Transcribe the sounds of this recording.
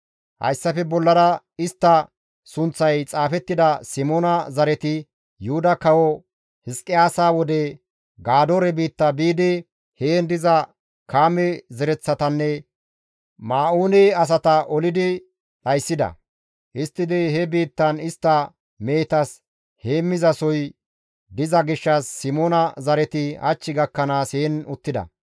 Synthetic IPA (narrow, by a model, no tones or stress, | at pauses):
hɐ̰jsːɐfɛbɔlːɐɾɐ | ɪst̪ːɐ | sʊnt͡sːɐjt͡sʼaːfɛt̪ːɪd̪ɐsɪmoːnɐzɐɾɛt̪ɪ | jʊʊd̪ɐkɐwɔ | hɪskʼːɪaːsaːwɔd̪ɛ | ɡaːd̪oːɾɛbiːt̪ːɐbiːd̪ɪ | heːnd̪ɪzɐ | kaːmɛzɛɾɛt͡sːɐt̪ɐnːɛ | maːuːneɐs̬ɐt̪ɐʔɔlɪd̪ɪ | ɗɐjsːɪd̪ɐ̰ | ʔɪst̪ːɪd̪ɪɦɛbiːt̪ːɐnɪst̪ːɐ | me̞ːt̪ɐs | heːmːɪzɐsɔj | d̪ɪzɐɡɪʃːɐsːɪmoːnɐzɐɾɛt̪ɪɐ̰t͡ʃːɪɡɐkːɐnaːseːnʊt̪ːɪd̪ɐ̰